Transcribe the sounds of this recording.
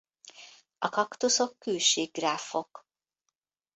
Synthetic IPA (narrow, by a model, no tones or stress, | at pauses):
ɒkɒkt̪uso̞kːyːʃiːɡɡraːfo̞k